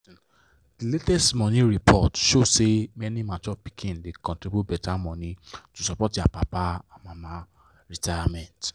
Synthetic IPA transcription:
d̥iletɛstmɔ̃nĩɾipʰɔtʃosemɛnĩmatɔpi̥kʰĩndekɔ̃ntɾibubɛtʰamɔ̃nĩtusɔpɔtapapaamãmã | ɾitajamɛ̃nt

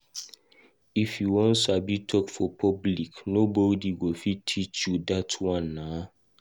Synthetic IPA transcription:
ifjuwɔ̃nsabitʰɔkfɔpʰɔbliknobɔdiɡofitʰːit͡ʃjudatʰwãnːa

